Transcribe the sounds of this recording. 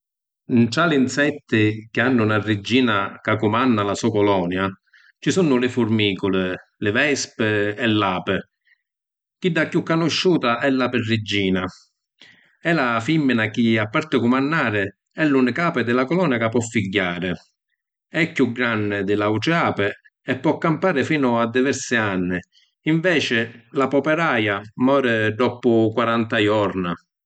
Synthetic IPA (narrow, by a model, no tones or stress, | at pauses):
intɾaliinsɛt̪ːɪk̟ɪanːʊnarːɪd͡ʒːiːnakakːʊmanːalasuːakɔlɔːnja | t͡ʃisunʊlɪfʊɾmiːkʊlɪlɪvɛspɪɛlːaːpɪ | k̟id̪ːakjukːanʊʃːuːt̪aʔɛlːapɪrːɪd͡ʒːiːna | ɛlafimːinak̟iapːaɾt̪ɪkʊmanːaːɾɪ | ɛlːunɪkaːpɪd̪ɪlakɔlɔːnakapːɔfːiɟːaːɾɪ | ɛkːuɡːɾanːɪd̪ɪlauʈɛaːpɪ | ɛpːɔkːampaːɾɪfiːnʊad̪ːivɛɾsɪanːɪ | iɱvɛːt͡ʃɪlapɔpɛɾaːjamɔːɾɪd̪ɔpʊkwaɾant̪ajɔɾna